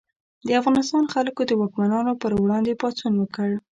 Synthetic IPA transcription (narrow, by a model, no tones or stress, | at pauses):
d̪əafɣɑnɪst̪ɑnxalkod̪əwɑkmanɑnopəɾwɽɑnd̪epɑt͡sunwəkəɽ